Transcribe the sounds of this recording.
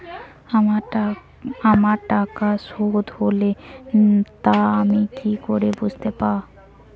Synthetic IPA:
a | amaɾʈakaʃod̪hole | t̪aamikikoɾebud͡ʑʱt̪epa

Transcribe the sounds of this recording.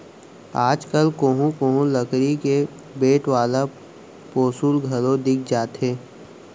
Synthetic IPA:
aːd͡ʒkəlkoːɦũkõːɦũləkɾike | beːʈʋaːla | poːsuːlɡʱəlõd̪ɪk̚ʰd͡ʒaːt̪ɦeː

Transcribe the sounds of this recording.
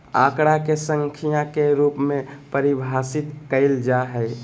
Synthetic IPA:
a̰ːkɽakesə̃ŋkʰijãkeɾuːpmẽpəɾɪbʱaːsɪt̪kəɪld͡ʒaɦɛj

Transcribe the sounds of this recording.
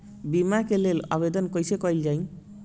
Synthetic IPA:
bimakelela̰bed̪ɔnkɔjsekɔjld͡ʒaj̃

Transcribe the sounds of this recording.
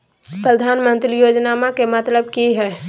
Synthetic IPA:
pɾəd̪ʱaːnmə̃nt̪ɾijoːd͡ʒnaːmãkemɐt̪ləb̚kiɦɛː

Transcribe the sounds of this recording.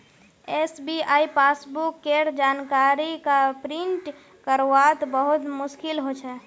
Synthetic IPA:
esbiaːipaːsbukːeːɾd͡ʒaːnkaɾikapɾɪ̃ɳʈ | kəɾwat̪bəɦʊt̪mʊʃkɪlɦot͡ʃʰɛ

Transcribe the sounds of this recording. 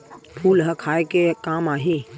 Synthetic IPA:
pʰuːlɦɐkʰaːekekaːmaːɦiː

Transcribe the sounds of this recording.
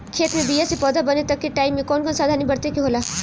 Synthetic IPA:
kʰeːt̪mẽbijasepɔːd̪ʱabɐnet̪ɐkːiʈaːɪmːẽkɔːnkɔːnsaːd̪ʱanĩbɐɽt̪ekiɦoːlaː

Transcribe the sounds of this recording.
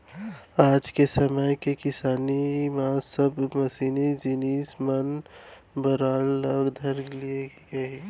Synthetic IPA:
aːd͡ʒkesɐməjkekɪsaːnimãsəbmɐsiːnid͡ʒiniːsmən | bɐɾaːlːəɡd̪ʱɐɾlie | ɡɐe

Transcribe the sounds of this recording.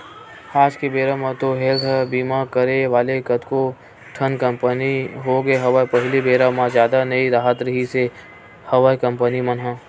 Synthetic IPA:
aːd͡ʒkebeːɾamãt̪oɦeɡbiːmakəɾeʋaːlekɐt̪ko | ʈʰənkə̃mpəniɦoɡeɦɐʋaːjpɐɦɪlibeːɾamãzjaːd̪anɐiɾaːɦət̪ɾəɦise | hɐʋaːjkɐ̃mpənimənɦɛ̃ː

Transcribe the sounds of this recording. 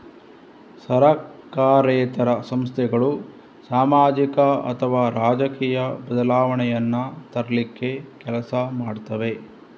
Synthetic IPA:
sɐɾɐkːaːɾeːt̪ɐɾɐsɐmst̪ʰɛɡɐɭu | saːmaːd͡ʒikɐɐ̰t̪ʰɐʋaːɾaːd͡ʒɐkiːjɐbɐd̪ɐlaːʋɐɳɛjɐnːɐt̪ɐɾɐlikːe̞kɛlɐsɐmaːɖt̪ɐʋe̞

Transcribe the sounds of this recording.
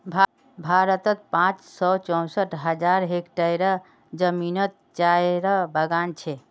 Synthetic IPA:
bʱ | bʱaɾət̪ət̪̚pãt͡ʃsɔt͡ʃɔ̃w̃səʈɦəd͡ʒaɾɦekʈəjɾə | d͡ʒəminət̪̚t͡ʃajɾəbəɡant͡ʃʰɛ

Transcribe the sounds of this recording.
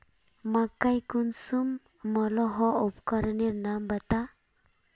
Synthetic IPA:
makːajkunsum | mɔlɔɦɔupkɔɾniɾnambət̪a

